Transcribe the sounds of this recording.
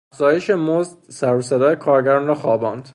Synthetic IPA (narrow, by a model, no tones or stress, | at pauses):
æfz̥ɒːje̞ʃemozd̪sæɾosed̪ɒːjekʰɒːɾɟæɾnɾɒːxɒːbɒːnd̪̥